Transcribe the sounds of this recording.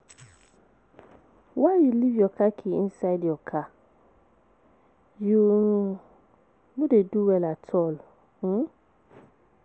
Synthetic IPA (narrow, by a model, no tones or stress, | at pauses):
waɾiliviɔkakʰiĩnsajdɔkʰa | juɾũ | modeduwɛlatʰɔl̩